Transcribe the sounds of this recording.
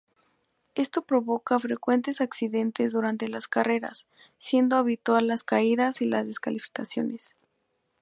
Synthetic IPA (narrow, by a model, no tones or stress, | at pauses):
e̞st̪o̞pɾo̞βo̞kafɾe̞kwe̞nt̪e̞saksiðe̞nt̪e̞zðuɾant̪e̞laskare̞ɾa̰sː | je̞nd̪oaβit̪walːaskaiðasilazðe̞skalifi̥kasjo̞ne̞s